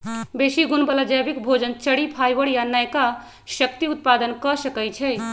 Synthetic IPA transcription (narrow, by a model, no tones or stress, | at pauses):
besiɡunbəlad͡ʒəjbikbʱod͡ʒənt͡ʃəɽipʰajbəɽjanəjka | sək̚t̪iut̪̚pad̪ənkɔsəkɛjt͡ʃʰɛj